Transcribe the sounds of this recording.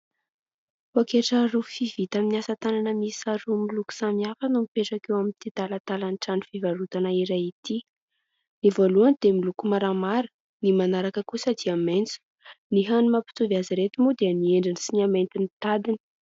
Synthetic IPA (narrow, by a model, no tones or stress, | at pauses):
hakeʈ͡ʂəɾufivit̪aminiasət̪ananəmisaɾumiluku̥samiafənumipeʈ͡ʂakewamint̪it̪alat̪alanʈ͡ʂanifivaɾut̪anaiɾajit̪i | nivoluanid̪̥emilukumaɾamaɾə̥ | nimanaɾakəkusəd̪iament͡su̥ | niɦanimapi̥t̪uviaziɾet̪umud̪eənieɳɖ͡ʐinisiniament̪init̪ad̪inə̥